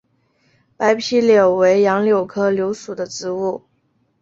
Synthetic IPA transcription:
pa˧˥ɪpʰi˥ljɑ˨˩ʊwe˧˥ɪjɑ˧˥ŋljo˨˩ʊkʰɤ˥ljo˧˥ʊsu˨˩d̪ə˦ʈ͡ʂɻ̩˧˥u˥˩

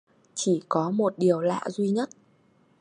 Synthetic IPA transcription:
t͡ɕi˧˩kɔ˨˦mo˨˩t̚ɗi˨˩əwla̰ː˧˨zwi˧ɲə˦˥t̚

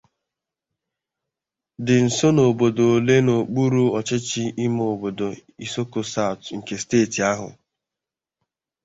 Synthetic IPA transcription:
dɪ˨n̩˨so˦no˨bo˨do˨le˦no˨k͡pu˦ɾu˦ɔ˨t͡ʃɪ˦t͡ʃɪ˦ɪ˦mo˨bo˨do˨i˦so˦ko˨sa˦˨tŋ̩˨ke˨steː˦˨ti˨a˦ɦʊ̰˨

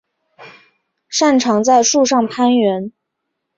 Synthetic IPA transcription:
ʂa˥˩nʈ͡ʂʰɑ˧˥ŋt͡sa˥˧ɪʂu˥˧ʂɑ˥˩ŋpʰa˥nɥɛ˧˥n

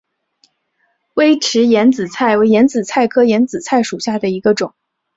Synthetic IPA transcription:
we˥ɪʈ͡ʂʰɻ̩˧˥jɛ˧˥nt͡sɹ̩˨˩t͡sʰa˥˩ɪwe˧˥ɪjɛ˧˥nt͡sɹ̩˨˩t͡sʰa˥˩ɪkʰɤ˥jɛ˧˥nt͡sɹ̩˨˩t͡sʰa˥˩ɪʂu˨˩ɕja˥˩d̪ə˩i˧˥ɡə˧ʈ͡ʂʊ˨˩˦ŋ

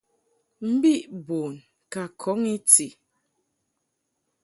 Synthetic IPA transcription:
m̩˦bi˦ʔboː˨n | ka˨kʰɔ˨˦ŋi˦ti˨

